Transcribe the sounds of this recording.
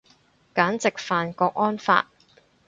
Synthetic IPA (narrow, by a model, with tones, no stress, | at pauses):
kaː˨˥nt͡sɪ˨k̚faː˨nkɔː˧k̚ʔɔː˥nfa̰ː˧t̚